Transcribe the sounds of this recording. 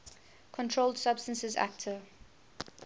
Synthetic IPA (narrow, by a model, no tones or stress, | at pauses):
kʰɔ̃ntʰɹoʊlˠdsabstə̃nsɪzæ̰k̚tʰə